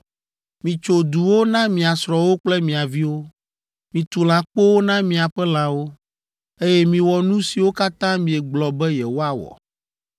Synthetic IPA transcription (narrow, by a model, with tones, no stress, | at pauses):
mĩ˨t͡ʃo˨d̪u˨wo˦nã˦mĩ˨a˨sɾɔ˨wo˦k͡plɛ˦mĩ˨a˨vi˦wo˦ | mĩ˨t̪u˨l̃ã˨k͡po˦wo˦nã˦mĩ˨a˨ɸɛ˦l̃ã˨wo˦ | e˦jɛ˦mĩ˨wɔ˨nũ˦si˨wo˦ka˦t̪ã˦mĩ˨ɛ˨ɡ͡blɔ˨bɛ˦jɛ˨wo˦a˨wɔ̰˨